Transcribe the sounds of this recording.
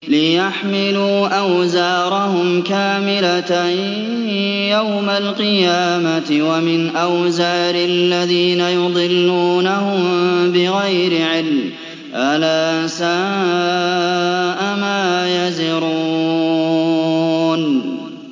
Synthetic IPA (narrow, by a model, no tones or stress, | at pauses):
lɪjaħmɪluːʔawzaːɾˤɑhʊmkaːmɪlat̪a | jawmalqɨjaːmat̪ɪwamɪnʔawzaːɾɪlːaðiːnajʊd̪ˤɨlːuːnahʊmbɪɣajɾɪʕɪlm | ʔalaːsaː | ʔamaːjazɪɾuː | n